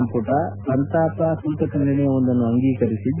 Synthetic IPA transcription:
mpuːʈɐpɐnt̪aːpɐsunt̪ɐkɐɳɖɐnɛjɐʋond̪ɐnːuɐŋɡiːkɐɾisid̪

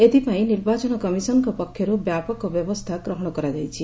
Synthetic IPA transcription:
et̪ipãĩniɾbat͡ʃɔnɔkɔmisɔnkɔpɔkʰːjɔɾubjapɔkɔbjɔbɔst̪ʰakɾɔɦɽ̃ɔkɔɾad͡ʒajt͡ʃʰi

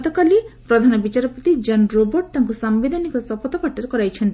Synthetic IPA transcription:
t̪ɔkalipɾɔd̪ʱanɔbit͡ʃaɾɔpɔt̪id͡ʒɔnɾobɔɾʈ̚t̪aŋkusambid̪ʱanikɔsɔpɔt̪ɔkaʈːɾɔkɔɾajt͡ʃʰɔnt̪i

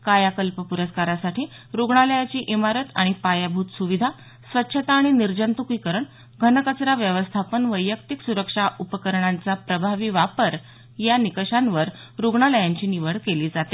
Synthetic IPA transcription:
kajakəlpəpuɾəskaɾasaʈʰiː | ɾuɡɳaləjat͡ɕiːʔimaɾət̪aɽ̃ipajabʱuːt̪suʋid̪ʱa | sʋətːɕʰət̪aːɽ̃iniɾd͡ʑənt̪ukiːkəɾəɳ | ɡʱənəkət͡sɾaʋjəʋəst̪ʰapənʋəjːək̚t̪iksuɾəkʂaʔupəkəɾɳant͡sapɾəbʱaʋiːʋapəɾ | janikəʂanʋəɾ | ɾuɡɳaləjaɲt͡ɕiːniʋəɽkeliːd͡zat̪e

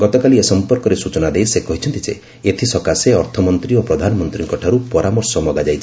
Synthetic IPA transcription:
ɡɔt̪ɔkaliesɔmpɔɾkɔɾesut͡ʃɔnad̪ejsekɔɦit͡ʃʰɔnt̪id͡ʒḛ | et̪ʰisɔkaseɔɾt̪ʰɔmɔnt̪ɾiopɾɔd̪ʱanɔmɔnt̪ɾiŋkɔʈʰaɾupɔɾʔamɔɾsɔmɔɡad͡ʒajt͡ʃʰi

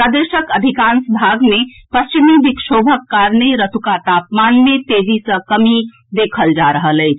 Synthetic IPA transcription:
pɾad̪eʃəkəd̪ʱikansbʱaɡmepəst͡ʃimibikʃobʱəkːaɾneɾət̪ukat̪apmanmẽt̪eːd͡ʒisə̃kəmi | d̪eːkʰəld͡ʒaɾəɦələɪt͡ʃʰ

